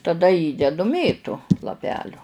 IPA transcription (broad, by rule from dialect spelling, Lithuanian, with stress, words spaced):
tɐˈdɐ ˈiːdʲɛdʊ ˈmʲeːtʊ lˠɐˈpʲæːlʲʊ